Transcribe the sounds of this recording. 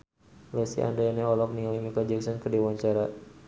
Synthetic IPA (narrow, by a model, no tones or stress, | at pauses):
lɛsḭʔa̰ndaanɛɔlɔk̚nialimikad͡ʒɛksɔnkədewaɲt͡ʃaɾa